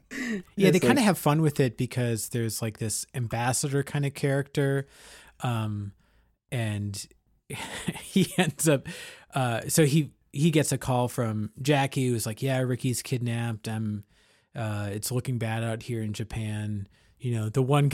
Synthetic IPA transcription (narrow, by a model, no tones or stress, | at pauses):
jæðeɪkãɪ̃ndɨːv̥fʌ̃nwɨðɪt̚b̥ɨkʰʌzðə˞z̥laɪk̚ðɪsɨ̃mbæsɨɾə˞kʰãɪ̃ndɨkʰɛɹɨk̚tə˞ | ʔʌ̃m | ɨ̃n | hiɛ̃ndzʌp̚ʔʌsoʊi | hiɡɛtsɨkʰɔlˠfɹʌ̃md͡ʒækihʉwʌzlaɪkjæɹɪkiz̥kʰɪdⁿnæp̚tãɪ̃m | ʌɨtslʊkɪ̃ŋbæɾaʊt̚hiɹɨ̃nd͡ʒɨpʰæ̃n | jɨnoʊðəwʌ̃n